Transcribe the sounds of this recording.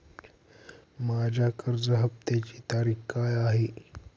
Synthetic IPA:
mad͡ʑʱakəɾd͡zəɦəp̚t̪et͡ɕiːt̪aɾiːxkajaɦe

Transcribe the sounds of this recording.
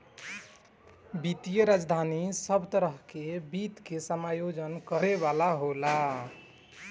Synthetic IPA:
bit̪ijəɾad͡ʒd̪ʱanisəbʱt̪əɾəɦkebit̪kesəmajod͡ʒənkəɾeβalaɦola

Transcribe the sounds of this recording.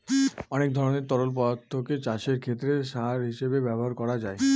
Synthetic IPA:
ɔnek̚d̪ʱɔɾoneɾt̪ɔɾolpɔd̪at̪ʰːoket͡ɕaʃeɾkʰet̪ːɾeʃaɾɦiʃebebɛboɦaɾkɔɾad͡ʑae

